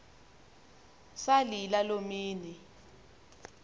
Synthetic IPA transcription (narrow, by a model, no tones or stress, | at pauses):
salilalomiːni